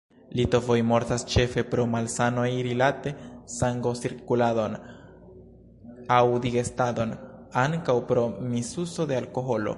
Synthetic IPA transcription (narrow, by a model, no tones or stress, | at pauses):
lito̞vo̞jmo̞ɾtast͡ʃe̞fe̞pɾo̞malsano̞jɾilate̞saŋɡo̞siɾkulado̞n | awd̪iɡe̞stad̪o̞naŋkawpɾo̞misuso̞d̪e̞alko̞ɦo̞lo̞̰